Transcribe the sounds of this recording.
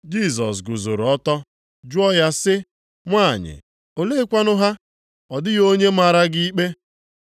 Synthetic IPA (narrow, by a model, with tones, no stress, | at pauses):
d͡ʒi˦˨s̬ɔ̰˨s̬ɡʊ˨zo˨ɾɔ˦tɔ˦ | d͡ʒʊ˦ɔ˦ja˦sɪ˦ | ŋʷa˦˨ɲɪ̰˨ | o˨le˦kʷa˦nʊ˦ɦa˦ | ɔ˨dɪ˦jo˦ɲe˦ma˨ɾa˦ɡɪ˦i˦k͡pe˦